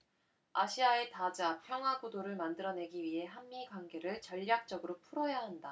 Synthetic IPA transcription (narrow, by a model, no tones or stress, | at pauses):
aɕʰiae̞tad͡ʑapʰjʌŋɦwaɡudoɾɯɭmandɯɾʌne̞ɡiɥiɦe̞ɦamːiɡwanɡe̞ɾɯɭt͡ɕʌʎːak̚t͡ɕ͈ʌɡɯɾopʰuɾoɦejaɦanda